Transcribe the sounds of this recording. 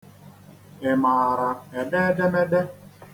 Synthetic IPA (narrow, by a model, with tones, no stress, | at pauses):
ɪ˨maː˨a˨ɾa˨e˨de˦de˦me˦de˦